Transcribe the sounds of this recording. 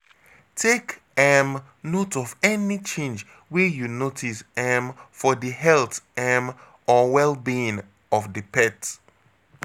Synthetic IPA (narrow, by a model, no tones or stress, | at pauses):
tʰek | ɛm | notɔvɛnit͡ʃẽnd͡ʒ | wijunotʰisɛmfɔdiɦɛltɛm | ɔwɛlˠbĩn | ɔfdipʰɛt